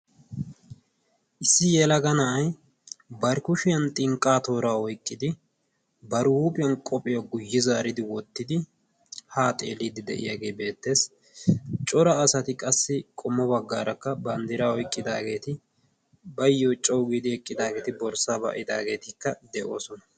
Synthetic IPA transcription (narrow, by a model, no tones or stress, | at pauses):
ʔɪsːɪjɛlɐɡɐnɐʔɐj | bɐɾkʊʃɪjɐnt̪ʼɪŋkʼːaːt̪oːɾaːɔjkʼːɪd̪ɪ | bɐɾwuːpʼɪjɐnkʼɔpʼɪjɐɡʊjːɪzaːɾɪd̪ɪwɔt̪ːɪd̪ɪ | haːt̪ʼḛːliːd̪ɪd̪ɛ̰ʔɪ̰jaːɡe̞ːbe̞ːt̪ːe̞ːs | t͡ʃʼɔɾɐːsɐt̪ɪkʼɐsːɪkʼɔmːɔbɐɡːaːɾɐkːɐbɐnd̪ɪɾaɔjkʼːɪd̪a̰ːɡe̞ːt̪ɪ | bɐjːɔt͡ʃʼɔwɡiːd̪ɪhɛkʼːɪd̪aːɡe̞ːt̪ɪbɔɾsaːbɐ̰ʔɪd̪aːɡe̞ːt̪ɪkːɐd̪ɛʔo̞ːsɔnɐ